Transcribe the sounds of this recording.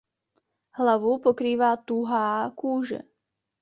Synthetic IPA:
ɦlavupo̞kɾiːvaːt̪uɦaːkuːʒɛ̰

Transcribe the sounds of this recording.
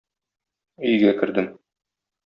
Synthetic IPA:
ɵ̆jɡækɘ̆ɾd̪ɘm

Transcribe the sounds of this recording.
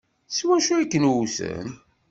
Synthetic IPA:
swæʃuækːənwusə̰n

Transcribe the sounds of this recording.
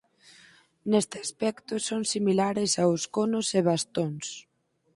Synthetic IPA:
nest̪ɪaspɛkt̪ʊsoŋsimilaɾɪsawskonʊseβast̪oŋs

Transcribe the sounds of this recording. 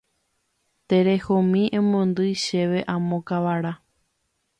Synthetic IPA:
t̪e̞ɾe̞homĩʔẽmõnd̪ɨjʃe̞ʋe̞ʔãmõkaʋaɾa

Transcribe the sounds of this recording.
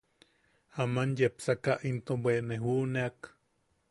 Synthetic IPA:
amanjepsakaʔint̪obweʔneɦuʔneak

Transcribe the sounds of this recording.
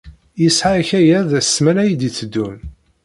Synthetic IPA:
jəsħaçæjæðæsːmænæjid̪it͡sːəd̪ːun

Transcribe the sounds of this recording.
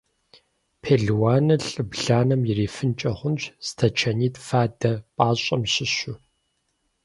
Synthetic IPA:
pʰeːɮwaːnɨɬʼɨbɮaːnɐmjɪriːfɨnt͡ʃʼɐχʷʊnt͡ʃz̥ɨ̥tʰɐt͡ʃʰɐniːtʼfaːdɐpʼaːɕʼɐmɕɪɕʷʊ

